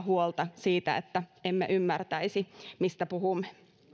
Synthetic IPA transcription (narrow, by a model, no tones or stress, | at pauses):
huolt̪ɑsiːt̪æ̰ḛt̪ːæemːḛʔymːært̪æisimist̪æpuhumːe̥